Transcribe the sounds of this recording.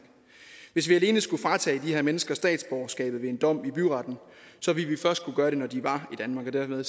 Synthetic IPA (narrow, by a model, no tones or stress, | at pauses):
ʋe̝s̬ʋiæle̝ːnəsɡ̥ufʁɑ̈ːt͡sʰɛ̰ːd̥iheɐmenəsɡ̥ɐsd̥ɛ̰ːd̥sb̥ɒʊsɡ̥ɛ̰ːb̥ð̩ˠʋe̝e̝nd̥ɒ̽m̰ib̥yʁɑ̈d̥n̩ | sɒ̽ʋilʋifɶɐsd̥̚kʰuɡ̥ɶːɐɾe̝nɒd̥iʋɑ̈id̥ænmɑ̈ːɡ̥ɒ̽d̥æɐmeðˠ